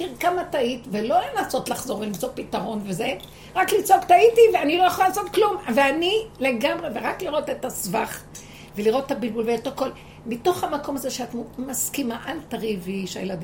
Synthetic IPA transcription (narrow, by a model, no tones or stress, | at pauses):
iʁkamataitve̞lo̞lenaso̞tlaχzo̞ʁvelimt͡so̞pitaʁo̞nve̞ze̞ | ʁaklit͡sokt̪aitiveanilo̞jaχolaːso̞t̪klumveanile̞ɡamʁe̞veʁakliʁo̞tetasvaχ | ve̞liʁo̞tetabilbulveet̪ako̞l | mito̞χhamako̞mazeʃeatmumaskimaʔantaʁiviʃejeladi